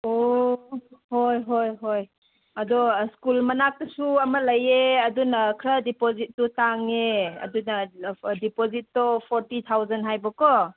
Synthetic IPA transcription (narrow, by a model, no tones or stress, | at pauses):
o | hojɦojɦoj | ɐdɔskulmɐnak̚tɐsuɐmɐlɐjeɐdunɐkʰɾadipozit̚ːutaŋeɐ̰dunadipozit̚ːɔpʰɔɾtit̪ʰawzanɦajbɔkɔ